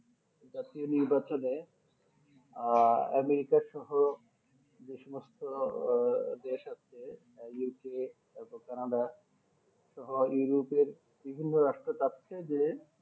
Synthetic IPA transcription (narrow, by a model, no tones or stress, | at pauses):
d͡ʑat̪ioniɾbat͡ɕone | ɛ̰meɾikaɾʃɔɦo | d͡ʑeʃɔmost̪o | d̪eʃat͡ɕʰe | juke | bokanaɖa | ʃɔɦojuɾopeɾ | bibʱinːoɾaʃʈɾat̪atːt͡ɕʰed͡ʑe